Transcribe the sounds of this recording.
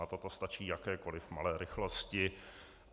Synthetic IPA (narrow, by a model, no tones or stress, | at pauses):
at̪ot̪ost̪at͡ʃiːjakɛːko̞lɪfmalɛːɾɪxloscɪ